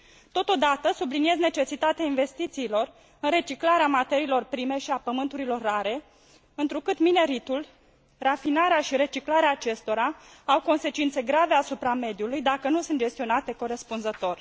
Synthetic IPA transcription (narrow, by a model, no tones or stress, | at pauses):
t̪o̞t̪o̞d̪at̪əsublinie̞zne̞t͡ʃe̞sit̪at̪eainve̞st̪it̪siːlo̞r | ɨnre̞t͡ʃiklaɾeamat̪e̞ɾiːlo̞rpɾime̞ʃiapəmɨnt̪uɾilo̞rːaɾe̞ | ɨnt̪ɾukɨt̪mine̞ɾit̪ul | rafinaɾeaʃiɾe̞t͡ʃiklaɾeaːt͡ʃe̞st̪o̞ɾa | awko̞nse̞t͡ʃint̪se̞ɡɾave̞asupɾame̞d̪julujd̪akənusɨnt̪d͡ʒe̞st̪io̞nat̪e̞ko̞ɾe̞spunzət̪o̞r